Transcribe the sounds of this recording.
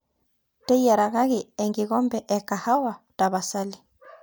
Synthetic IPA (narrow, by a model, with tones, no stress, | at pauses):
tɛ˦ja˨ɾa˨ɣa˦ɣi˨ɛ˨ŋɡi˨ɣɔ˦mbɛ˨ʔɛ˨ka˨ha˦wa˨ta˨βa˨sa˦li˨